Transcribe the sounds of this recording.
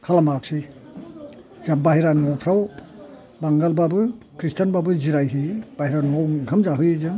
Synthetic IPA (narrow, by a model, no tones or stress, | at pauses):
kʰalamaksi | zabaɦiɾanɔpʰɾaw | baŋɡalbabɯ | kɾistʰanbabɯziɾajɦɯb̥aɦiɾanɔwɡʱamzaɦɯjzɯŋ